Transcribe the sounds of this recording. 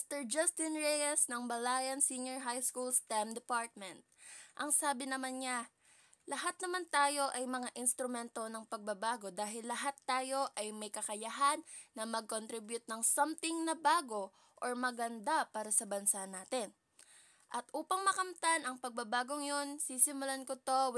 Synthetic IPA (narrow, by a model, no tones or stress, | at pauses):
mst̪ɛɹd͡ʒɐst̪ɪnɹɛjɛsnɐŋbɐlaːjɐnsiɲoɹɦajskulst̪amd̪ɛpaɹt̪̚mɛnt̪̚ʔɐŋsaːbɪnɐmanɲa | lɐɦat̪̚nɐmant̪aːjo̞ʔɐjmɐŋaʔɪnst̪ɾʊmɛnt̪o̞nɐŋpɐɡ̚bɐbaːɡo̞d̪aːɦɪlːɐɦat̪ːaːjo̞ʔɐjmɐjkɐkɐjaɦanːɐmɐɡ̚kont̪ɾibjʊt̪̚nɐŋsamt̪ɪŋnɐbaːɡo̞ | ʔoɹmɐɡɐnd̪apaːɾɐsɐbɐnsanaːt̪ɪn | ʔɐt̪ʔuːpɐŋmɐkɐmt̪anɐŋpɐɡ̚bɐbaːɡo̞ŋjo̞nsiːsɪmʊlankot̪o̞w